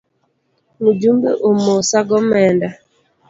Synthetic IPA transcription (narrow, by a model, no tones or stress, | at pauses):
mud͡ʒumbḛʔomosaɡɔmɛnda